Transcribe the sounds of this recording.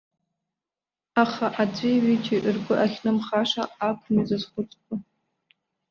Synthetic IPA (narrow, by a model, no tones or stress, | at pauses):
aχaʔad͡zʷʼiɥit͡ʃʰʼiʔrɡʷʊʔaχʲnɨmχaʂaakʷʰʼnizazχʷʊt͡sʼkʷʰʼa